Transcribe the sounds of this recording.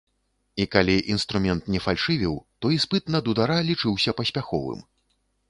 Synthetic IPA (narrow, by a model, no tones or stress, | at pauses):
ikalʲiʔinst̪ɾumʲɛnt̪nʲɛfalʲʂɨvʲiwt̪ɔispɨt̪nɐd̪ud̪aɾalʲit͡ʂɨwsʲɐpɐsʲpʲaxɔ̰vɨ̰m